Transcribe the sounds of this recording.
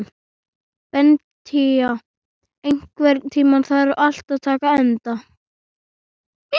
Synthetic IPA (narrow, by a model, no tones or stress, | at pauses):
n | vɛn | t̪ʰia | ejŋ̥kvɛɾt̪ʰiːmanθaɛɾʏʔal̥t̪aðt̪ʰaːkaɛnt̪a